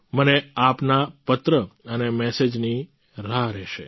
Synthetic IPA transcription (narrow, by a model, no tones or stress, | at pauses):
məneapnapət̪ɾəənemɛsed͡ʒni | ɾaɾɛʃe